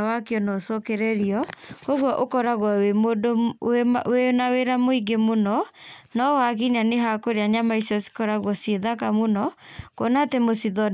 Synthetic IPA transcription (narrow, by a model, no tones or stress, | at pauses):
wakeɔnɔsɔkeɾɛɾiɔkoɣwɔʔokɔɾaɣwɔemodo | wenaweɾamoiɡemonɔnɔwaɣiɲaneɦakoɾeaɲamaisiɔsi̥kɔɾaɣwɔsieðakamonɔkonatemosiðɔ